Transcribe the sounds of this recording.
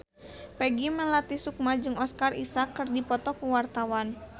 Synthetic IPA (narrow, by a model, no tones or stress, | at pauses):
pɛɡiməlat̪isuk̚mad͡ʒɨŋɔskarḭsakːɨrdipɔt̪ɔkuwart̪awan